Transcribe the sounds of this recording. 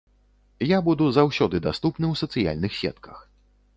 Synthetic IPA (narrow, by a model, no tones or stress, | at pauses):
jabud̪uzawsʲɔd̪ɨd̪ast̪upnɨwsɐt̪sɨja̰lʲnɨxsʲɛ̰t̪kɐ̥x